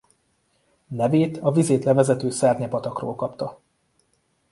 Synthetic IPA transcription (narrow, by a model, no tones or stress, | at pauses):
nɛveːt̪ʰɒvizeːt̪lɛvɛzɛt̪øːsɛrɲɛpɒt̪ɒkro̰ːlkɒpt̪ɒ